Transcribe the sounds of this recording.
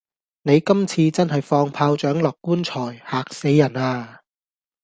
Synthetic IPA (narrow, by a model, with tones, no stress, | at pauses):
ne˨˧jkɐ˥mt͡sʰiː˧t͡sɐ˥nɦɐ˨jfɔː˧ŋpʰaː˧wt͡ʃœː˨˥ŋlɔː˨kːuː˥nt͡ʃʰɔː˨˩jhaː˨˩k̚se˨˧jːɐ˨˩naː˧